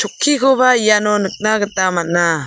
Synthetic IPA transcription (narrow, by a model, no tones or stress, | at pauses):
t͡ʃʰukʰːikʰɔbaijanɔnɯk̚naɡət̪amat̚na